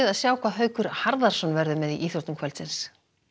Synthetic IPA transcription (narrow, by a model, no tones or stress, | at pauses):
ðaðsjaːwkʰvaðɦœːɥkʏɾ̥haɾðaɾ̥sɔnvɛɾðʏmɛðiʔiːθjɔɾt̪nʏmkʰvɛlsɪns